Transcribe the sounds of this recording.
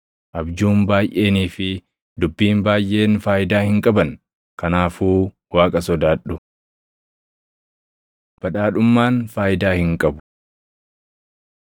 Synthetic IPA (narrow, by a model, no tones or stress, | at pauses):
ʔɐbd͡ʒuːmbaːjʔe̞ːniːfɪ | d̪ʊbːiːmbaːjʔe̞ːnfaːjɪd̪aːhɪŋkʼɐbɐn | kɐnaːfuː | waːkʼɐsɔd̪aːɗːʊ | b̥ɐᶑaːᶑʊmːaːnfaːjɪd̪aːhɪŋkʼɐbʊ̥